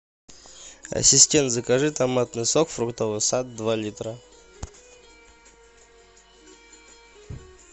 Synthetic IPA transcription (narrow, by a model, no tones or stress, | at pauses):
ɐ̰sʲɪsʲtʲent̪zəkɐʐɨt̪ɐmat̪nɨsokfɾukt̪ovɨsad̪̚dːvalʲit̪ɾə